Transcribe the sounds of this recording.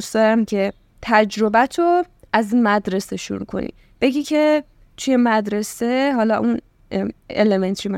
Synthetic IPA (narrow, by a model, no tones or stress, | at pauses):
ust̪ɒːɾæmcʰe̞ | t̪ʰæd͡ʒɾo̞bæt̪ʰoæzinmæd̪ɾe̞se̞ʃṵɾukʰo̞̰nḭ | b̥e̞ɟiːcʰe̞ | t̪ʰujemæd̪ɾe̞se̞ɦɒlɒʔun | ḛleme̞nt̪ʰom